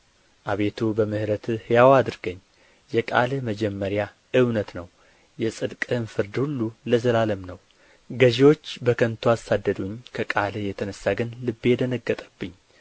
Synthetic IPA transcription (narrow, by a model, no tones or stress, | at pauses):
ʔaβe̞t̪ʰubəmɨhɾət̪ʰɨhɨjawad̪ɨɾɡəɲː | jɛkʼa̰lməd͡ʒɛmːəɾja | ʔɨwnət̪nəw | jɛsʼɨd̪kʼɨnfɨɾd̪hulːuləzəlaləmnəw | ɡəʒewo̞t͡ʃːbəkʰənt̪ʰuasad̪ːəd̪uɲkʰəkʼaljɛt̪ʰənəsːaɡənlɨbːeɛd̪ənəɡːət̪ʼəbːɨɲː